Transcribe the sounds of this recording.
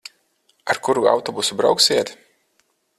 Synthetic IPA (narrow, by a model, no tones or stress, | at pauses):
aɾkuɾua̰wt̪ɔbusubɾa̰wksʲiɛt̪